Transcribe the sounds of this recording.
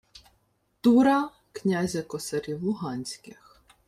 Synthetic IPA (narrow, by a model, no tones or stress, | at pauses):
t̪uɾɐ | knʲazʲɐkɔsɐɾʲiwlˠʊɦɑnʲsʲkɪx